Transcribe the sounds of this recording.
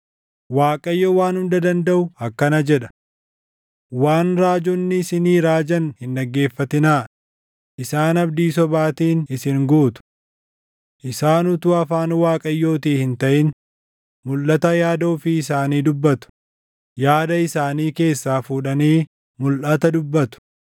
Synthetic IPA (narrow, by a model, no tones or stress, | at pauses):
waːkʼɐjːɔwaːnhʊnd̪ɐd̪ɐnd̪ɐʔʊɐkːɐnɐd͡ʒɛᶑɐ̥ | waːnɾaːd͡ʒɔnːɪːsɪniːɾaːd͡ʒɐnhɪnᶑɐɡːe̞ːfːɐt̪ɪnaː | ʔɪsaːnɐb̚d̪iːsɔbaːt̪iːnɪsɪŋɡuːt̪ʊ̥ | ʔɪsaːnʊt̪ʊɐfaːnwaːkʼɐjːo̞ːt̪iːhɪnt̪ɐʔɪn | mʊlːɐt̪ɐjaːd̪oːfɪɪsaːniːd̪ʊbːɐt̪ʊ̥ | jaːd̪ɐɪsaːniːke̞ːsːaːfuːᶑɐniː | mʊlʔɐt̪ɐd̪ʊbːɐt̪ʊ̥